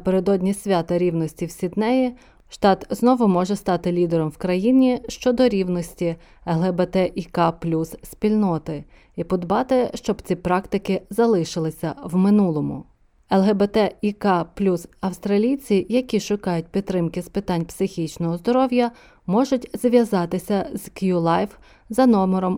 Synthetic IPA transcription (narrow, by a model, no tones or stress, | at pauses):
peɾed̪ɔdʲnʲisʲʋʲɑt̪ɐɾʲiwnɔsʲtʲiwsʲid̪nɛji | ʃt̪ɑt̪znɔʋʊmɔʒɛst̪ɑt̪ɪlʲid̪eɾɔmwkɾɐjinʲiʃt͡ʃɔd̪ɔɾʲiwnɔsʲtʲi | ɛlˠɦɛbɛt̪ɛʔikɑplʲussʲpʲilʲnɔt̪ɪ | ipɔd̪bɑt̪ɪʃt͡ʃɔbt͡sʲipɾɑkt̪ɪkɪzɐlˠɪʃɪlˠɪsʲɐwmɪnulˠɔmʊ̰ | ɛlˠɦɛbɛt̪ɛikɑplʲusɐwst̪ɾɐlʲijt͡sʲijɐkʲiʃʊkɑjʊt̚ʲpʲid̪t̪ːɾɪmkɪspɪt̪ɑnʲpsɪxʲit͡ʃnɔɦɔzd̪ɔɾɔwjɐ | mɔʒʊtʲzʋʲjɐzɑt̪ɪsʲɐzkjulˠɑjf | zɐnɔmeɾɔm